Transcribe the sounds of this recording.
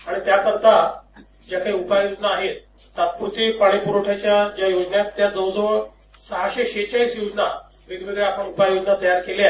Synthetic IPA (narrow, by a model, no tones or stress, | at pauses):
aɽ̃it̪jakəɾt̪a | d͡ʑjakaiupajod͡ʑnaːɦet̪ː | at̪̚puɾt̪ipaɽ̃epuɾoʈʰat͡ɕjad͡ʑjajod͡ʑnjat̪ːjad͡zəwd͡zəʋəɭ | səɦaɕeɕet͡ɕəɭiːsjod͡ʑna | ɾid̪imed̪eapəɳupajod͡ʑnat̪əjaɾkela